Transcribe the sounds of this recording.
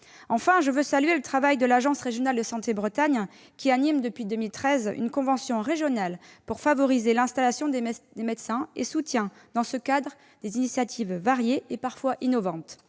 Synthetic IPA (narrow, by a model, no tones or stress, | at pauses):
ɑ̃fɛ̃ʒəvøsalɥelət̪χavajd̪əlaʒɑ̃sʁeʒjɔnald̪əsɑ̃t̪ebʁət̪aɲ | kʲianimd̪əpɥid̪əmilt̪χɛzy̰nkɔ̃vɑ̃sjɔ̃ʁeʒjɔnalpuʁfavɔʁizelɛ̃st̪alasjɔ̃d̪ed̪emed̪sɛ̃esut̪jɛ̃ | d̪ɑ̃səkad̪ʁə | d̪ezinisjat̪ʰivːaʁjeːpaʁfwaʔinɔvɑ̃t̪